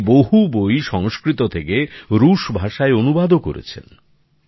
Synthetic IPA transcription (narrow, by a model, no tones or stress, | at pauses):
boɦubojʃɔŋskɾit̪ot̪ʰekeɾuʃbʱaʃaeonubad̪oko̰ɾḛt͡ɕʰḛn